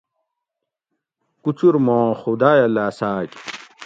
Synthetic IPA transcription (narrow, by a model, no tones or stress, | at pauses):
kut͡ɕuɾmõːxud̪aːjɐlaːsaːk